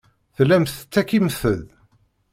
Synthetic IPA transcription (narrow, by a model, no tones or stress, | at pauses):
θlːæmsət͡sːækːiməθəð